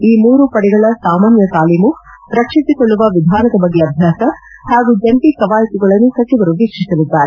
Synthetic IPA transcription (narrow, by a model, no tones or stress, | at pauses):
iːmuːɾupɐɽɛɡɐɭɐsaːmaːnjɐt̪aːlimu | ɾɐkʂisikoɭːuʋɐʋid̪ʱaːnɐd̪ɐbɐɡːeɐbʱjaːsɐ | haːɡuːd͡ʒɐmpikɐʋaːjɐt̪iɡɐɭɐnːusɐt͡ʃiʋɐɾuʋikʂisɐlid̪ːaːɾe